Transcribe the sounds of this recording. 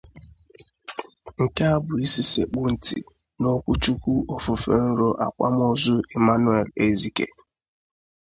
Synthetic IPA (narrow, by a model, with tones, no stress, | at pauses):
ŋ̩˨ka˦a˦bʊ˨i˦si˨sḛ˨k͡pʊ˦n̩˨tḭ˨ | no˦kʷu˦t͡ʃu˦kʷu˦ʔo˦fʊ˨fḛ˨n̩˦ɾo˦ʔa̰˨kʷa̰˦m˦o˦zʊ˦e˨ma˦nu˦e˨le˨zi˦kḛ˨